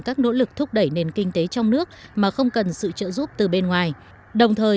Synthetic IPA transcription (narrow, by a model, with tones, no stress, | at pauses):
kaː˦˥k̚no̰˧˥lɨ˨˩k̚t̪ʰʊ˦˥k͡p̚ɗə˧˩jne˨˩nkï˧ŋ̟t̪e˨˦t͡ɕɔ˧wŋ͡mnɨ˦˥ək̚maː˨˩xə˧wŋ͡mkə˨˩nsɨ̰˧˨t͡ɕə̰ː˧˨zu˦˥p̚t̪ɨ˨˩ɓe˧nŋwaː˨˩j | ɗə˨˩wŋ͡mt̪ʰəː˨˩